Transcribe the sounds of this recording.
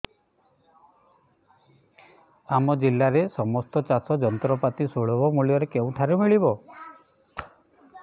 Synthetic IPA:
amɔd͡ʒilːaɾesɔmɔst̪ɔt͡ʃasɔd͡ʒɔnt̪ɾɔpat̪isoɭɔbɔmuɭijɔɾekeũʈʰaɾumiɭibɔ

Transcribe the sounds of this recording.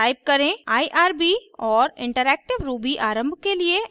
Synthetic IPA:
aːɪb̚kɐɾẽaːiʔaːɾbiɔːɾɪ̰̃ɳʈəɾɛːk̚ʈɪʋɾuːbiʔaːɾə̃mbʱkelie

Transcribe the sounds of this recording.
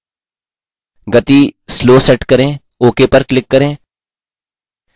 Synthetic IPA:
ɡɐt̪isloːsɛʈkɐɾẽː | oːkeːpɐɾklɪkːɐɾẽː

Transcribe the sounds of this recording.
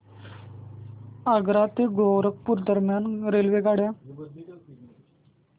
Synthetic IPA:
əɡɾat̪eɡowɾək̚puɾd̪əɾmjaːnɾeːlʋeɡaːɽjaː

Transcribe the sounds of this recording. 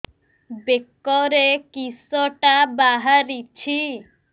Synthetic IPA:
bekːɔɾekisɔʈabaɦaɾit͡ʃʰi

